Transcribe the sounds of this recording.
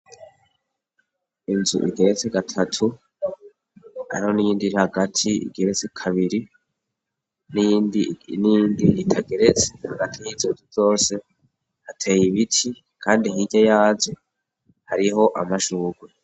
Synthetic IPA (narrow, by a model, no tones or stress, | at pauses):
inzṵʔḭɡe̞ɾet͡seɡatʰatʰu | ha̰ɾiho̞nijiːndiɾihaɡatʰiḭɡe̞ɾet͡sekʰaβiɾi | nindinindiitʰaɡe̞ɾe̞t͡se̥haɡatʰijizonzuzo̞ːse̞ | hatʰe̞ːjiβitʰi | kʰaːndiɦiɟajaːze | haɾiɦo̞ʔamaʃuːɡwe